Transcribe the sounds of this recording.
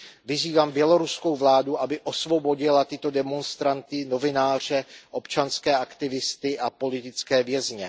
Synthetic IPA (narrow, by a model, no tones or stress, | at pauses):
vɪziːvaːmbjɛlo̞ɾusko̞wvlaːduʔabɪʔo̞svo̞bo̞ɟɪlat̪ɪt̪o̞dɛmo̞nst̪ɾant̪ɪno̞vɪnaːr̝̥ɛʔo̞pt͡ʃanskɛːʔakt̪ɪvɪst̪ɪʔapo̞lɪt̪ɪt͡skɛːvjɛzɲɛ